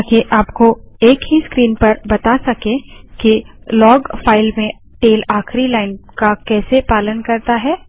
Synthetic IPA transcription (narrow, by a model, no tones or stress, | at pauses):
keʔaːpkoeːkɦiskɾiːnpɐɾbɐt̪asɐkẽkilɔːɡfaːɪlmẽ | ʈeːlaːxɾilaːɪnkakɛːsepaːlənkɐɾt̪aɦɛː